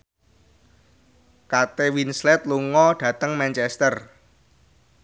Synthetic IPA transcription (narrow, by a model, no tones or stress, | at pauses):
kat̪ewinslɛt̪̚luŋɔɖ̥ä̤t̪əŋmɛnt͡ʃɛst̪ər